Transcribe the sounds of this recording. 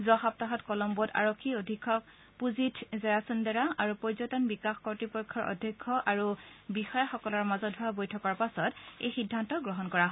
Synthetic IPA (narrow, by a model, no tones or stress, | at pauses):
zɔxap̚taɦɔtkɔlɔmbɔta̰ɹɔkʰːiodʱikʰːɔk̚ | puzitʰzɛɹasundaɹaaɹupɔɹzɔtɔnbikaxkɔɹtipɔkʰːɔɹʔɔ̰dʱɔkʰːɔʔaɹubixɔjaxɔkɔlɔɹmazɔt̚ɦʊabojtʰɔkaɹpasɔtḛjxidʱːantɔɡɹɔɦɔnkɔɹaɦɔ